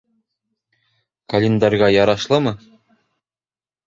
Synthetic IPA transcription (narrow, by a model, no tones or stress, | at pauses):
kɐlʲend̪ɑrʲʁɑjɒɾɑʃlˠɤmɤ